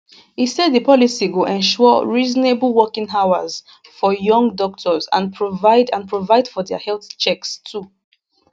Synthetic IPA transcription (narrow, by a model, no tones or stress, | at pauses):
hisɛdðəpɔlisiɡoʔɛ̃nʃɔɹizɔnebl̩ˠwɔkĩŋɦawaz | fɔjɔ̃ŋɡdɔk̚tʰɔzã̰npʰɹovaɪdãnpʰɹovaɪdfɔdɛa̰hɛlˠθt͡ʃɛkstʰu